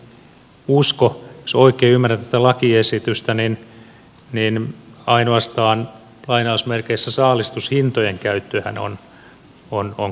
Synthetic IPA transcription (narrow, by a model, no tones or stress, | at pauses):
uskojosoikeːymːæræt̪t̪ːæt̪ælɑkiesit̪yst̪ænin | ninɑinoɑst̪ɑːn | lɑinɑusmerkeisːæsɑːlist̪ushint̪ojeŋkæyt̪ːøhæ̰no̰n | onoŋ